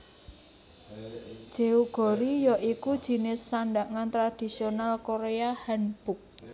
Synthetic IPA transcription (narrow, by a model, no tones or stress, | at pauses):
d̥ʒ̥e̤uɡ̥ɔ̤ɾijɔʔikud̥ʒ̥i̤nɪsːaɳɖaʔŋant̪ɾad̪̥i̤sionalkoɾeahanb̥ʊk̚